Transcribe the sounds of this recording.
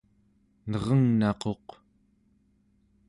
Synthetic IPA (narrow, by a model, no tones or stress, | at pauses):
nʌʁʌŋnɑqo̞q